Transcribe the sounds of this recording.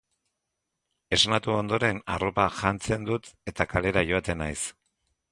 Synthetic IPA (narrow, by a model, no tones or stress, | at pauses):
e̞snat̪uo̞nd̪o̞ɾe̞na̰ro̞paʝant͡se̞nd̪ut̪e̞t̪akale̞ɾaʝo̞at̪e̞najs